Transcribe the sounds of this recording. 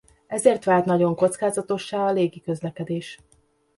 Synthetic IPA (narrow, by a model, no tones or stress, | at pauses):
ɛzeːrt̪ʋaːlt̪nɒɟo̞ŋko̞t̪skaːzɒt̪o̞ʃːaːɒleːɡikø̞zlɛkɛd̪eːʃ